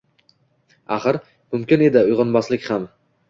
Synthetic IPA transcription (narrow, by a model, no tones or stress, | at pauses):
aχɨɾ | mʊmkʲɪne̞d̪ɪʊjʁɑnbɒslɪkʲham